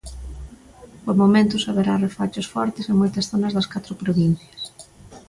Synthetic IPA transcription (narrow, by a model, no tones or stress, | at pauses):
pomomẽnt̪ʊsaβeɾarefat͡ʃʊsfɔɾt̪ɪseŋmojt̪ɐsθonɐzðɐskat̪ɾʊpɾoβin̟θjɐs